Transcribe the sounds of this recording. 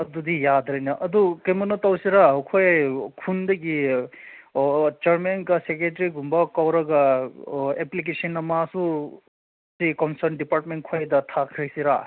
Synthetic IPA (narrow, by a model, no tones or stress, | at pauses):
ɐd̪ud̪ijad̪ɾɐnɐʔɐd̪ukɐjmɐnɔt̪ɔwsiɾakʰojkʰund̪ɐki | t͡ʃɐɾmenkɐsek̬eʈɾiɡumbakɔwɾɐɡa | eplik̬esɐnːɐmasu | sikɔnsɐɾnɖipaɾʈmenʈ̚kʰojd̪ɐt̪ʰakʰɾeksiɾa